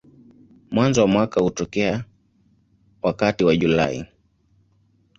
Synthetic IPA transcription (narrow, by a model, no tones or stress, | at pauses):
mwanzɔwamwakahutɔkɛa | wakatiwaʄula̰ḭ